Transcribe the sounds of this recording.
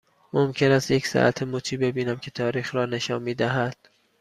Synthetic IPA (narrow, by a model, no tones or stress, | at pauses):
momcʰe̞næst̪je̞csæ̰ʔæ̰t̪ʰemot̪ʰiːbe̞biːnæmkʲʰe̞t̪ʰɒːɾiːxrɒːne̞ʃɒːnmiːd̪æɦæd̪̥